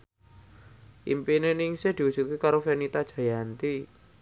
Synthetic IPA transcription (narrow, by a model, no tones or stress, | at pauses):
ʔḭmpinenɪŋsed̪̥i̤udʒ̥ut̪̚kekaɾofenit̪ad̥ʒ̥a̤jant̪i